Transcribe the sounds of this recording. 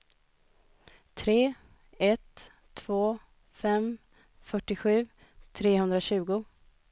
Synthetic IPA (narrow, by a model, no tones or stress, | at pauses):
t̪ʰɾeː | ɛt̪ʰː | v̥oː | fɛm | fœʈːɪɧʉ̟ː | t̪ʰɾeːhɵnd̪ɾaɕʉ̟ːɡʊ